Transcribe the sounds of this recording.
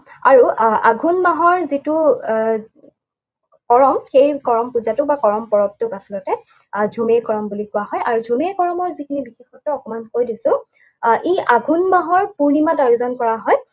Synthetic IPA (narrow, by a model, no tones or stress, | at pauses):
a̰ɹuaɡʱunmaɦɔɹzitʊ | kɔɹɔmxejkɔɹɔmpuzatʊbakɔɹɔmpɔɹɔp̚tʊkasilɔtɛ | zʱumejkɔɹɔmbulikʊaɦɔjaɹuzʱumejkɔɹɔmɔɹzikʰinibixexɔtɔɔkɔmankojdisʊ̃ | ʔiaɡʱunmaɦɔɹpuɹnimatajuzɔnkɔɹaɦɔj